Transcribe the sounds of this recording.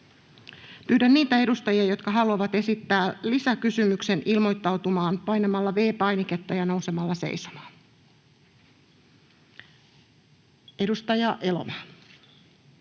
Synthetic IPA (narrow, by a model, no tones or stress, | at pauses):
pyːdænniːt̪æe̞dust̪ɑjiɑjo̞t̪kɑɦɑluɑʋɑt̪e̞sit̪ːæːlisækysymykse̞nʔilmo̞jt̪ːɑwt̪umɑːnpɑjnemɑlːɑʋe̞ːpɑjnike̞t̪ːɑjɑno̞uwse̞mɑlːɑsḛjso̥mɑ̥ːn | e̞dust̪ɑjɑʔe̞lo̰mɑːn